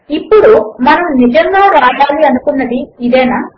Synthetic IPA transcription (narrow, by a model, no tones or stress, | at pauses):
ipːuɽumɐnɐmnid͡ʒɐŋɡaːɾaːɖaːliɐnukunːɐd̪iid̪ɛːnaː